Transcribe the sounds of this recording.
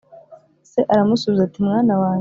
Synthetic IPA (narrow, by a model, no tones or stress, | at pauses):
se̞ʔaɾamusuβizatimŋaːnawaːɲ